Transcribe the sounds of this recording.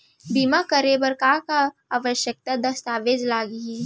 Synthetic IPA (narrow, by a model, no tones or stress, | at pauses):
bimakəɾebəɾkakaaːʋəʃjək̚t̪ad̪ɐst̪aːʋeːd͡ʒlaːɡiɦi